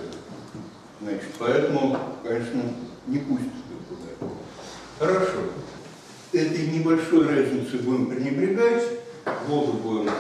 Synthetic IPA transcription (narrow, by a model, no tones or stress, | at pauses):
znat͡ɕɪ̥t̪pɐɛt̪əmʊkɐnʲeʂnənʲɪpuɕʲɪt̪səd̪əkʊd̪atʲ | xəɾɐʂo | ɛt̪əjnʲɪbɐlʲʂojrazʲnʲɪt̪sɨbuɪmpɾʲɪnʲɪbɾʲɪɡatʲɡlˠozəbuɪm